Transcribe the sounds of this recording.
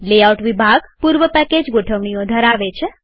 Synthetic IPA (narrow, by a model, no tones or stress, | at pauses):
leawʈʋibʱaɡpuɾʋəpɛked͡ʒɡoʈʰəʋɳ̃ijod̪ʱəɾaʋet͡ʃʰe